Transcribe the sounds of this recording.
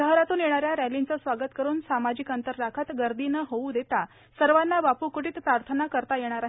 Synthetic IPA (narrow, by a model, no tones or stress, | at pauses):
əɦɾat̪uːnjeɽ̃aɾjaɾælint͡səsʋaɡət̪kəɾuːnsamad͡ʑikənt̪əɾːakʰət̪ɡəɾd̪iːnəɦoud̪et̪a | səɾʋanːabapuːkuʈiːt̪pɾaɾt̪ʰənakəɾt̪ajeɽ̃aɾaɦ